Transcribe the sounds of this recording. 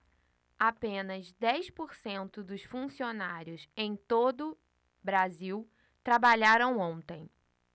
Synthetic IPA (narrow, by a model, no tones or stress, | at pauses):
apẽnɐzd̪ɛjspoɾsẽnt̪ʊd̪ʊsfũsionaɾjʊsẽj̃t̪od̪ʊ | bɾaziw | t̪ɾabaʎaɾɐ̃w̃õnt̪ẽj̃